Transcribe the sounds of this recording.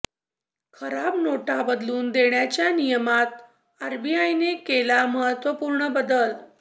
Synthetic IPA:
kʰəɾabnoʈabəd̪luːnd̪eɳjat͡ɕjanijəmat̪̚ | aɾbiajnekelaməɦət̪ʋəpuːɾɳəbəd̪əl

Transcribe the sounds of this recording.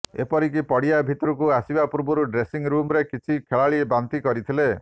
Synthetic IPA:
ḛpɔɾik̬ipɔɽiabʱit̪ɔɾukuasibapuɾbɔɾuɖɾesiŋɾumɾekit͡ʃʰikʰeɭaɭiebant̪ikɔɾit̪ʰile

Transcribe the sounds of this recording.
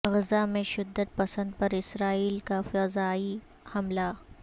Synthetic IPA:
ɣɪzamẽʃɪd̪ːəd̪̚pɐsə̃nd̪̚pɐɾɪsɾaːiːlkafɐzaːi | hɐmla

